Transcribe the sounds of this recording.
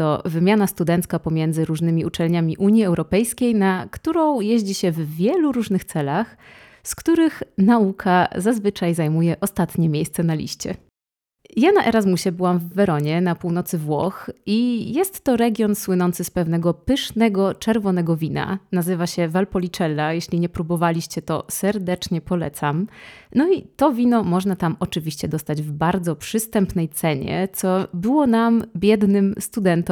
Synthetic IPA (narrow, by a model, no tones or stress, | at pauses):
t̪ɔvɘmʲjanast̪ud̪ɛnt̪skapɔmʲjɛnd̪zɘɾuʐnɘmʲiut͡ʂɛlɲamʲiʔuɲjiɛwɾɔpɛjskʲejnakt̪uɾɔ̃w̃jeʑd͡ʑiɕɛvvʲjɛluɾuʐnɘxt̪sɛlax | skt̪uɾɘxnaukʰazazvɘt͡ʂajzajmujɛʔɔst̪at̪ɲɛmʲjejst̪sɛnalʲḭɕt͡ɕɛ̰ | janaʔɛɾazmuɕɛbɘwamvːɛɾɔɲɛnapuwn̪ɔt̪sɘvwɔ̰xijɛst̪ːɔɾɛɡʲjɔnswɘnɔnt̪sɘspɛvn̪ɛɡɔpɘʂnɛɡɔt͡ʂɛɾvɔnɛɡɔvʲina̰nazɘvaɕɛvalpɔlʲit͡ʂɛlːajeɕlʲiɲɛpɾubɔvalʲiɕt͡ɕɛt̪ɔ̰sɛɾd̪ɛt͡ʂɲɛpɔlɛt̪samnɔit̪ɔvʲinɔmɔʐnat̪amʔɔt͡ʂɘvʲiɕt͡ɕɛd̪ɔst̪ad͡ʑvbaɾd̪zɔpʂɘst̪ɛmpnɛjt̪sɛɲɛ̰t̪sɔbɘwɔnambʲjɛd̪nɘmst̪ud̪ɛnt̪ɔ